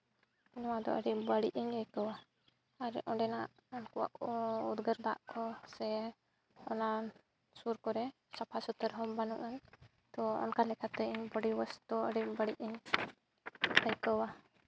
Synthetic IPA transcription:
ɛnɔwad̪ɔ̰ʔəɽibəɽiʔəɲəjkəwa | aɾɛʔɔ̃ɖɛnaʔɔnkuwa̰ʔɔud̪ɡəɾd̪a̰ʔkɔsɛ | ɔna | suɾkɔɾɛ | sapʰasut̪əɾɦɔbanuʔan | t̪ɔɔ̰nkalɛkat̪ɛiɲbəɽiwəst̪uəɽibəɽiʔəɲ | əjkəwa

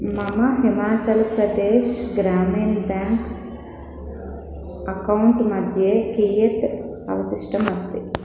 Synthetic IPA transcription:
mɐmɐɦimaːt͡ʃɐlpɾɐd̪eːʃɡɾaːmiːnbjaːŋk | ɐkɐwɳʈmɐd̪ʱjeːkiːjɐt̪ | ɐ̰ʋɐsiʂʈɐmɐst̪i

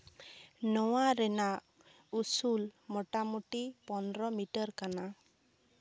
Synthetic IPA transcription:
nɔwaɾɛna | usulmɔʈamuʈipɔnɾɔmiʈɔɾkana

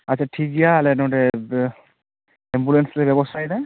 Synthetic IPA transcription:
asʰatʰik̚ɡijaːlɛnɔdɛ | ɛmbulɛnslɛbɛbɔsajna

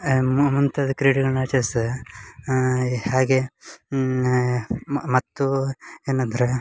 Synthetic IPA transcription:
mmunt̪ʰɐd̪ɐkɾiːɽiɡɐɭnaːt͡ʃɐs | haːɡe | mɐt̪ːueːnɐnd̪ɾe

